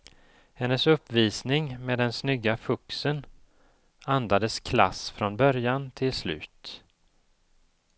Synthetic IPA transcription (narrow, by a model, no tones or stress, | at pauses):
hɛnːəsɵpːviːsnɪŋmeːd̪ɛnsnʏɡːafɵksən | and̪ad̪əskʰla̰sfɾɔnbœɾjant̪ʰɪlslʉ̟̰ːt̪